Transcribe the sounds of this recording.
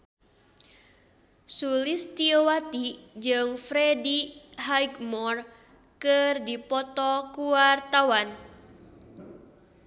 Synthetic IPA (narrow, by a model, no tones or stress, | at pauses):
sulist̪iowat̪id͡ʒɨŋfɾediɦajɡmɔr | kɨrdipɔt̪ɔkuwart̪awan